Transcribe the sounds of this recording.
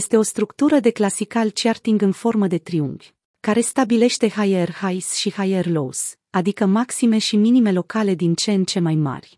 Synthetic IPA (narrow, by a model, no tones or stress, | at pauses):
jest̪e̞o̞st̪ɾukt̪uɾəd̪e̞klasikalt͡ʃart̪iŋɡɨnfo̞rməd̪e̞t̪ɾiuŋvʲ | kaɾe̞st̪abile̞ʃt̪e̞hajerhajsʃihajerlo̞̰s | ad̪ikəmaksime̞ʃiminime̞lo̞kale̞d̪int͡ʃe̞nt͡ʃe̞majma̰rʲ